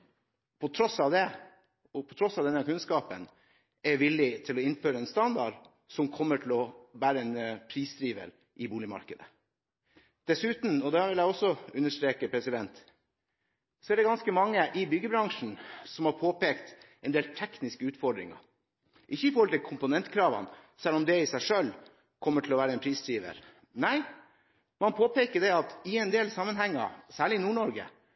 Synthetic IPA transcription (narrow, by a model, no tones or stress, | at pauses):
pʰɔt̪ʰɾɔsɑʋd̪ɛ | ɔpʰɔt̪ʰɾɔsɑʋd̪ɛnːəɾkʉnskɑːpən | ɛʋɪlːɪt̪ʰɪlɔɪnføːɾəɛnst̪ɑnd̪ɑɖ | sɔmkʰɔmːəʈʰɪlɔbæːɾəɛnpʰɾiːsd̪ɾiːʋə̰l | ʔɪbuːlɪmɑ̰ɾkəd̪ə̰ | d̪̥ɛsʉːt̪n̩ɔd̪ɛʋɪljæɔsːɔʉnːəʂʈ̪ɾeːkəpʰɾɛsɪd̪ɛnt̪ | sɔæɖɛɡɑnskəmɑŋːəʔɪbʏɡəbɾɑŋʂn̩sɔmhɑɾpʰoːpeːkt̪ | ɛnd̪eːlt̪ʰɛknɪskəʉːt̪fɔɖɾɪ̰ŋɑ̰ | ʔɪçːəɪfɔɾhɔlt̪ʰɪlkʰʊmpʊnɛnt̪kʰɾɑːʋɑ̰nsɛlːɔmd̪ɛɪsæɪʂøl | kʰɔmːəʈʰɪlɔʋæːɾəɛnpʰɾiːsd̪ɾiːʋə̰ɾ | næɪ | mɑnpʰoːpeːkəɖɛɑt̪ɪɛnd̪eːlsɑmːənɦɛŋːɑ̰sæːɭɪnuːɳɔɾɡə̰